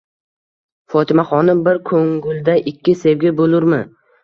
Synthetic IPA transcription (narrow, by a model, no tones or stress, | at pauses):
fɒt̪ʰɪmaχɒnɪmbɪɾkʰoŋɡʊlˠd̪aʔɪkʲːɪsevɡʲɪbolʊɾmɪ